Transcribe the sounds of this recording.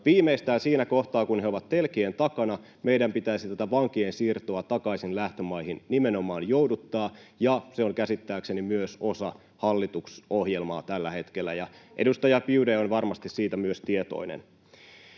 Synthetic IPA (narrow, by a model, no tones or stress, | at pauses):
ʋiːmeist̪æːnsiːnækoht̪ɑːkunheoʋɑt̪t̪elkient̪ɑkɑnɑ | meidæmpit̪æisit̪æt̪æʋɑŋkiensiːrt̪oɑt̪ɑkɑisinlæht̪ømɑihinnimenomɑːnjowdut̪ːɑːjɑseoŋkæsit̪ːæːksenimyøso̞sɑ | hɑlːit̪uksohjelmɑ̰ːt̪ælːæhe̞t̪kelːæ̰jɑʔedust̪ɑjɑpiudeonʋɑrmɑst̪issiːt̪æmyøst̪iet̪o̰inḛn